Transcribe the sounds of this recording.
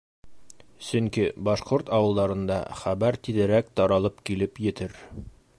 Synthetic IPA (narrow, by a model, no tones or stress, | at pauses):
sɵŋkibɑʃqoɾt̪ɑwɤ̆lˠd̪ɑɾɤ̆nd̪ɑ̰χæβæɾt̪iðɘ̆ɾæk̚t̪ɑɾɑlˠɤpkilɘpjɘ̆t̪ɘɾ